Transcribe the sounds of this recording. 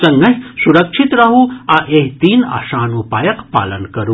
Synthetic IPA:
sɐŋɡɐɦsuɾɐkʃʰit̪ɾɐɦuːaʔeɦt̪iːna̰ːʃaːnupaːjɐkpa̰ːlɐnkɐɾu

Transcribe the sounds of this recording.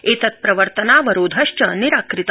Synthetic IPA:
eːt̪ɐt̪̚pɾɐʋəɾt̪ənaʋɐɾoːd̪ʱɐʂt͡ʃɐniɾakɾit̪

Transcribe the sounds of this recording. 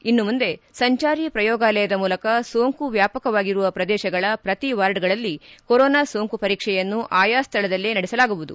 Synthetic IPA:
inːumund̪e̞sɐɲt͡ʃaːɾipɾɐjɔːɡaːlɐjɐd̪ɐmuːlɐkɐsoːŋkuʋjaːpɐkɐʋaːɡiɾuʋɐpɾɐd̪ɛːʃɐɡɐɭɐpɾɐt̪iʋaːɾɖɡɐɭɐlːikoɾɔːnaːsoːŋkupɐɾiːkʂɛjɐnːuʔaːjaːst̪ʰɐɭɐd̪ɐlːenɐɽɛsɐlaːɡuʋud̪u

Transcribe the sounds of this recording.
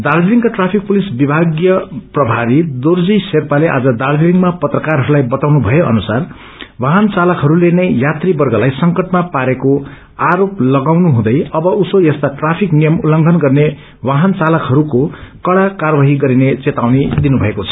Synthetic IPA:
d̪aɾdɾiŋkaʈrapʰik̚pulisbibʱaɡjʌprʌbʱaɾid̪ord͡ziserpaleʔa̰d͡zʌd̪ardiliŋɡmapʌt̪rʌkarɦʌɾulajbʌt̪awnubʱʌjeʔʌ̰nusar | waɦʌnt͡salʌkɦʌɾulenʌjjat̪ribʌrɡʌlajsʌŋkʌʈmapaɾeko | aɾoplʌɡawnuɦũd̪ʌjʌbʌusojʌst̪aʈrapʰiknijʌmulːʌŋɡʱʌnɡʌrne | waɦʌnt͡salʌkɦʌɾukokʌɽakarwaɦiɡʌɾinet͡set̪awnid̪inubʱʌekot͡sʰʌ̥

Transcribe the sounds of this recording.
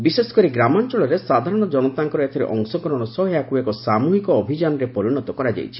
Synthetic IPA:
bisesɔ̥kɔɾiɡɾamɔnt͡ʃɔɭɔɾesad̪ʱaɾɔɽ̃ɔd͡ʒɔnɔt̪aŋkɔɾɔet̪ʰɔɾḛʔɔŋsɔkɔɾɔɽ̃ɔsɔɦɔjakuekɔsamuɦikɔːbʱid͡ʒanɔɾepɔɾiɽ̃ɔt̪ɔkɔɾad͡ʒa̰jt͡ʃʰi̥

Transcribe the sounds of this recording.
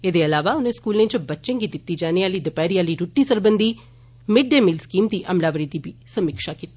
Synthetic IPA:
ed̪eːɐlaːʋaːuneskuːlneɲt͡ʃɐbɐt͡ʃːt͡ʃeŋɡit̪it̪ːid͡ʒaːnijaːlid̪ɐpaːɾijaːliɾuʈːisɐɾbɐnd̪ʱi | miɖːemilskiːmt̪iʔɐmlaːʋɐɾid̪ibisɐmikʂaːkit̪

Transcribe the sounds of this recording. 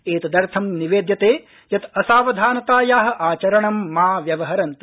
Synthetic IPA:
eːt̪ɐd̪ɐɾt̪ʰɐmniʋeːd̪jɐt̪eː | jɐt̪ɐsaːʋɐd̪ʱaːnɐt̪aːjaːɦɐ̆ʔaːt͡ʃɐɾɐɳɐmːaːʋjɐʋɐɦɐɾɐnt̪u̥

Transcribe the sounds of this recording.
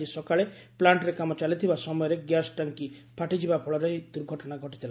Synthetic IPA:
isɔkaɭe | plaɳʈɾekamɔt͡ʃalit̪ʰibasɔmɔjɔɾeɡjasʈaŋkipʰaʈid͡ʒibapʰɔɭɔɾejd̪uɾɡʱɔʈɔnaɡʱɔʈit̪ʰila

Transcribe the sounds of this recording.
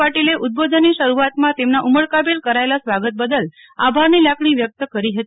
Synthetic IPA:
paʈileʔʊt̪̚bod̪ʱənːiʃəɾuat̪mãt̪emnaʔuməɭkabelkəɾaelasʋaɡət̪̚bəd̪əl | abʱaɾnilakɳ̃iʋjək̚t̪əkəɾiɦət̪i

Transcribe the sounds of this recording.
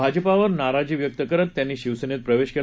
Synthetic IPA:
bʱad͡ʑəpaʋəɾnaɾad͡ʑiːʋjək̚t̪əkəɾət̪ːjanːiːɕiʋsənet̪̚pɾəʋeɕkel

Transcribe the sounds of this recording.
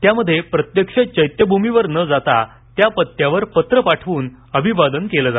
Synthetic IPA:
t̪jaməd̪ʱːjepɾət̪jəkʂət͡ɕəjt̪jəbʱumiʋəɾnəd͡zat̪a | t̪japət̪ːjaʋəɾpət̪ɾəpaʈʰʋuːn | əbʱiʋad̪ənkeləːd͡za

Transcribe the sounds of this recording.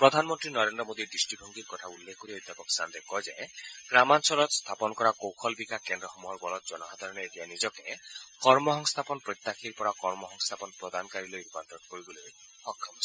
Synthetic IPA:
pɾɔd̪ʱanmɔnt̪ɾinɔɾend̪ɾɔmod̪id̪isʈibʱɔŋɡiɾkɔt̪ʰaulːekʰkːɔɾiɔd̪ʱjapɔksand̪ekɔɦed͡ʒaeɡ̥ɾamansɔlɔt̪st̪ʰapɔnɔkɔɾakowkʰɔlbikakend̪ɾɔxɔmuɦɔɾbɔlɔt̪̚d͡ʒɔnɔɦad̪ʱaɾɔneetijanid͡ʒɔkekɔɾmɔɦɔŋst̪ʰapɔnɔpɾet̪ːakʰiɾpɔɾakɔɾmɔɦɔŋst̪ʰapɔnpɾɔd̪ʱanɔkaɾilojɾupant̪ɾɔnkɔɾiboloj | hɔkʰːɔmɔs

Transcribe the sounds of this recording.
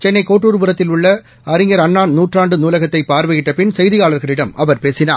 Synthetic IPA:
t͡ʃɛnːɐɪkːoːʈːuːɾpuɾɐt̪ːɪluɭːɐ | ɐɾɪŋɡɐɾɐɳːaːnnuːʈraːɳɖɯnuːlɐɣɐt̪ːɐɪpaːɾʋɐɣɪʈːɐpɪnsɐjðiɣaːɭɐɾɣɐɭɪɽɐmɐʋɐɾpeːsɪna̰ː

